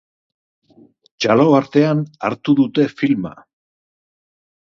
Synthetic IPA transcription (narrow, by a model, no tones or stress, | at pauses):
t͡ʃalo̞aɾt̪e̞ana̰ɾt̪uðut̪e̞filma̰